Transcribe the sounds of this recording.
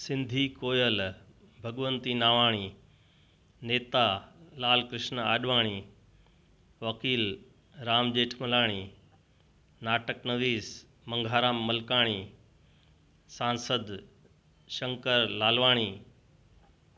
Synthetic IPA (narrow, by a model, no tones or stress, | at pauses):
sɪ̃nd̪ʱikoːjəl | bʱɐɠʋənt̪inaːʋaːɽ̃iː | neːt̪alaːlkɾɪʃnaːɗʋaːɽ̃iː | ʋɐkiːl | ɾaːmd͡ʑeːʈʰmɐlaːɽ̃iː | naːʈəknɐʋiːs | mɐ̃ŋɡʱaːɾaːmːɐlkaːɽ̃iː | sãːnsəd̪ | ʃɐ̃ŋkəɾlaːlʋaːɽ̃iː